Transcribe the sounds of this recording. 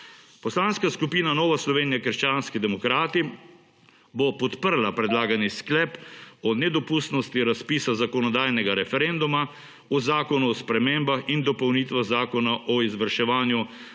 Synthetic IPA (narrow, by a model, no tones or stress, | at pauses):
pɔslaːnskaskupiːnanɔːʋaslɔʋeːnijakəɾʃt͡ʃaːnskid̪ɛmɔkɾaːt̪i | bɔpɔt̪pəɾlapɾɛd̪laːɡanisklɛpɔnɛd̪ɔpust̪nɔst̪iɾaspiːsazakɔnɔd̪aːjnɛɡaɾɛfɛɾɛnd̪uma | ɔzaːkɔnuɔspɾɛmembaxind̪ɔpɔwniːt̪ʋaɣzaːkɔnaʔɔizʋəɾʃɛʋaːnju